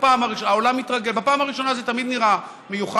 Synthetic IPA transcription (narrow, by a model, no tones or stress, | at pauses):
paːmaʁiaolamit̪ʁaɡe̞lbapaːmhaʁiʃo̞nazet̪amid̪niʁa | mejuχa